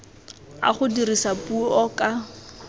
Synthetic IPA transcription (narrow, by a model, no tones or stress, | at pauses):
a̰χʊdirisapuɔkʼa